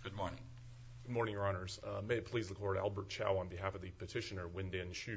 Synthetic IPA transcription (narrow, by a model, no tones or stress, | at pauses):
ɡ̥ʊd̚mɔɹnɪ̰̃ŋ | ɡ̥ʊd̚mɔɹnɪ̃ŋə˞ɑnə˞z̥meɪɨt̚pʰl̥izləkʰɔɹɾæ̰lˠbə˞t̚t͡ʃʰa̰ʊə̃nbɨiɦæfʌvðɨpɨtʰɪʃɨnə˞wɪ̃ndeɪɨ̃nʃʉ